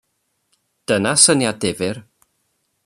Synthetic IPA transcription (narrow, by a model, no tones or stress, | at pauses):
d̥ənasənjadɪvɪr